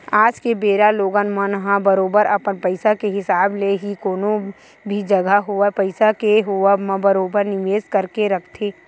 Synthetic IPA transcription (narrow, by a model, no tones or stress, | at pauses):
aːd͡ʒkebeːɾaloːɡanmanɦãbəɾoːbəɾɐpənpəɪsakeɦɪsaːbleɦikoːnõ | bʱid͡ʒɐɡʱaɦoapəɪsakeɦoamãbəɾoːbəɾnɪʋeːzkəɾkeɾɐkʰt̪ʰeː